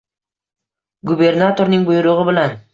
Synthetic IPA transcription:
ɡubʲernat̪oɾnɯŋbʊjɾuʁɤbɘ̆læn

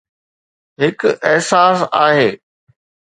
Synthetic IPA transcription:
ɦɪkɪɦsaːsaːɦeː

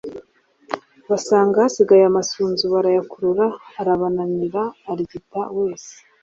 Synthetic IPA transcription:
βasaːŋɡasiɡajamasuːnzuβaɾajakuɾuɾaːɾaβanaɲiɾaːɾiɡitaweːse̥

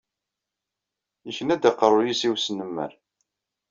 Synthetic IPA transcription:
içənæd̪æqːəɾˤʊjisiwsənəmːə̰ɾ

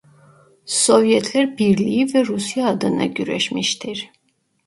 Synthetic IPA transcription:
so̞vjɛt̪ʰlʲæɾbiɾlʲijivɛɾusjaːd̪ɯna̰ɟyɾɛ̰ʃmiʃt̪ʰiɾ̥

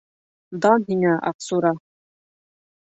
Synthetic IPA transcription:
d̪ɑnɦiŋæʔɑ̰qsuɾɑ

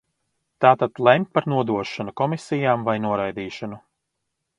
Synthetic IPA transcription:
t̪aːt̪ad̪lˠɛmʲpaɾnuɔd̪uɔʃanukɔmisijaːmvajnuɔɾajd̪iːʃɔnu

